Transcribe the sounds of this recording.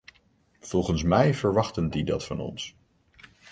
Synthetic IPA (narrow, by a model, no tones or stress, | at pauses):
v̥ɔlˠχənsmɛjvəɹʋɑχtəndidɑtfɑnɔ̰ns